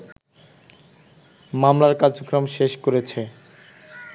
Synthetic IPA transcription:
mamlaɾkaɾd͡ʑokːɾomʃeʃkoɾet͡ɕʰe

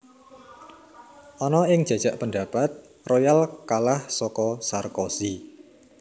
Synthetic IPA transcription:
ʔɔnɔɪŋ̥ʒ̥a̤d̥ʒ̥a̤ʔpənɳda̤pat̪̚ | rojalkalahsɔkɔsarkosi

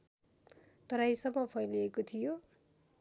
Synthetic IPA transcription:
t̪ʌɾajsʌmːʌpʰʌjliekot̪ʰijo

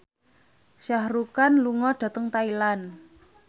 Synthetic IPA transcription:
ʃahrukanluŋɔɖ̥a̤t̪əŋt̪ailan

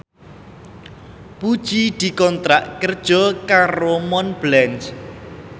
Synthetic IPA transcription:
pud̥ʒ̥id̪̥i̤kɔnt̪ɾaʔkərd̥ʒ̥ɔkaɾomɔnblɛnt͡ʃ

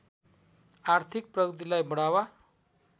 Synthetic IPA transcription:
art̪ʰik̚prʌɡət̪̬ilajbʌɽawa

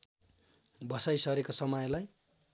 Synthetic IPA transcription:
bʌsajsʌɾekosʌmʌjlaj

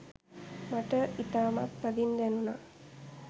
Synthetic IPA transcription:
maʈəʔit̪aːma̰t̪pːəd̪ind̪ænuna

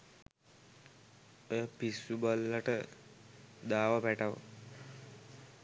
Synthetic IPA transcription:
ojəpisubəlːaʈə | d̪aːʋapæʈaʋ̰

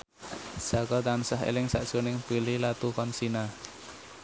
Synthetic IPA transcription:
sakɔt̪ansaɦḛlɪŋsaʔd̥ʒ̥onɪŋpililat̪ukɔnsina

